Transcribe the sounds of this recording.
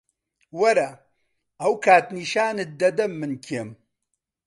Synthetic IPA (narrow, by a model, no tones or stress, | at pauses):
wɐɾɐ | ɐwkʰaːt̪niːʃaːnɨd̪ɐd̪ɐmːɨnkʰem